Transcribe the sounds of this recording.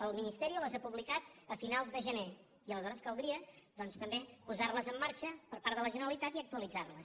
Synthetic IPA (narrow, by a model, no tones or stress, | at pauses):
əlˠminist̪ɛɾiuləzapuβlikat̪əfinalˠzðəʒəne | iələzɔɾəskəlˠd̪ɾiəd̪ɔnst̪əmbepuzarləzəmːaɾt͡ʃəpəɾpaɾðələʒənəɾəlit̪at̪iək̚t̪uəlid͡zarlə